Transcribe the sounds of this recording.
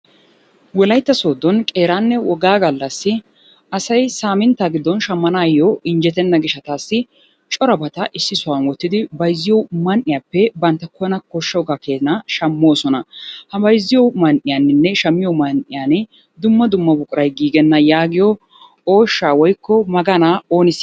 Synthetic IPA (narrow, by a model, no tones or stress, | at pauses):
wɔlɐjt̪ːɐso̞ːd̪ɔnkʼe̞ːɾaːnːɛwɔɡaːɡɐlːɐsːɪ | ɐsɐjsaːmɪnt̪ːaːɡɪd̪ːɔnʃɐmːɐnaːjoʔɪnd͡ʒɛt̪ɛnːɐɡɪʃɐt̪aːsːɪ | t͡ʃʼɔɾɐbɐt̪ɐʔɪsːɪsʊwɐnwɔt̪ːɪd̪ɪbɐjzːɪjɔmɐnʔɪjaːpːɛbɐnt̪ːɐkɔnɐkɔʃːɐwɔɡakeːt̪naʃɐmːo̞ːsɔnɐhɐbɐjzːɪjɔmɐnʔɪjaːnːɪnːɛʃɐmːɪjɔmɐnʔɪjaːnɪ | d̪ʊmːɐd̪ʊmːɐbʊkʼʊɾɐjɡiːɡɛnːɐjaːɡɪjɔ | oːʃːaːwɔjkːɔmɐɡɐnaːo̞ːnɪs